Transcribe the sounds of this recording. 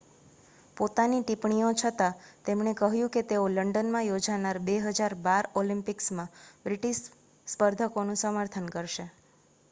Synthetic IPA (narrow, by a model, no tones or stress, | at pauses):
pot̪aniʈipɳijõt͡ʃʰət̪at̪emɳekəɦjũket̪eoləɳɖənmãjod͡ʒanaɾbeɦəd͡ʒaɾbaɾolĩmpɪksmãbɾiʈiʃ | spəɾd̪ʱəkonũsəməɾt̪ʰənkəɾʃe